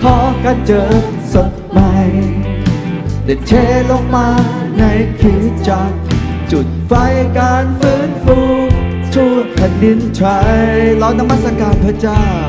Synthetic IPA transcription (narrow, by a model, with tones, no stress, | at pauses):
kʰɔː˨˦kaː˧nt͡ɕɤː˧ | so˨˦t̚ | ma˧j | de˨˩t͡ɕʰeː˧˩lo˧ŋmaː˧na˧˥jkʰi˧˩˦t͡ɕa˧k̚ | t͡ɕu˨˩t̪̚fa˧˥jkaː˧nfɯː˦˥nfuː˧ | t̪ʰuː˧˩p̪ʰa˨˩ndi˧˥nt͡ɕʰa˧˦jla˧˩wna˧mːa˦˥t̪̚sa˧kaː˨˩npʰɯ˧˥t͡ɕaː˥˩ww